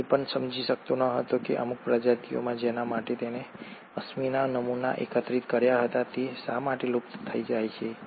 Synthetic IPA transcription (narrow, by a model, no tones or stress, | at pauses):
epəɳsəmd͡ʒʱiʃək̚t̪onəɦət̪okeʔə̰muk̚pɾad͡ʒat̪ijo̰mãd͡ʒenamaʈet̪ene | əsminanəmuna̰ʔḛkət̪ɾit̪kəɾjaɦət̪at̪esamaʈelupt̪t̪ʰəid͡ʒajt͡ʃʰe